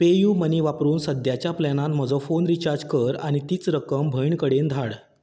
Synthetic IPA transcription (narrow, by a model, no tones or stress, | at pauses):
pejuːməniʋapɾuːnsəd̪ʱjat͡ɕjaplanãt̪m̤əd͡zɔ̃fonɾit͡ɕaɾd͡ʑkəɾaɽ̃it̪iːt͡sɾəkəmbʱəjɳkəɽend̪ʱaɽ